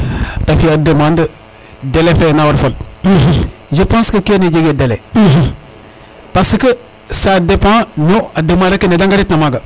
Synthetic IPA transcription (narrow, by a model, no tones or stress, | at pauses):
tafiadəmãndə | delefenawaɾfol | ʒəpãskəkioned͡ʒeɡedele | pasəkə | sadepãnoadəmãɾakənedãŋɡaɾitnamaɡa